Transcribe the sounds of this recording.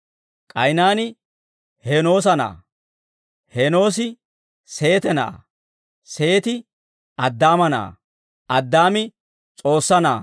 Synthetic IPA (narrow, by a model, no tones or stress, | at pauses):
kʼɐjnaːnɪ | he̞ːno̞ːs̬ɐna̰ː | heːno̞ːs̬ɪ | se̞ːt̪ɛna̰ː | se̞ːt̪ɪ | ɐd̪ːaːmɐna̰ː | ʔɐd̪ːaːmɪ | t͡sʼo̞ːsːɐna̰ː